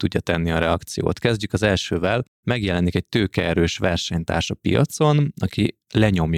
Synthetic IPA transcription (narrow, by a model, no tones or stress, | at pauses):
t̪uɟːɒt̪ɛnːiɒɾɛɒkt̪sijo̰ːt̪kɛzɟykɒzɛlʃøːvɛl | mɛɡjɛlɛnikɛc̚t̪øːkɛɛɾøːʃʋɛrʃɛɲt̪a̰ːrʃɒpḭjɒ̰t̪so̞nɒki | lɛɲo̞mj